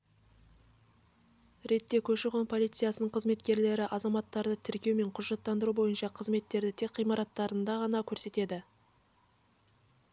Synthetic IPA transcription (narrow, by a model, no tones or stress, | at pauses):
ɾe̞t̪ːe̞kʲʰɵʃɪʁonpʰo̞lˠit̪sɨjɑsənəɴqʰəzme̞t̪kʲe̞ɾle̞ɾɪʔɑzɑmɑt̪ːɑɾd̪ət̪ʰɪɾkʲe̞wme̞ɴqʰʊʒʒɑt̪ːɑnd̪əɾubo̞jənʃɑqʰəzme̞t̪ːe̞ɾd̪ɪt̪ʰe̞kqːijmɑɾɑt̪ːɑɾənd̪ɑʁɑnɑkʲʰɵɾse̞t̪e̞d̪ɪ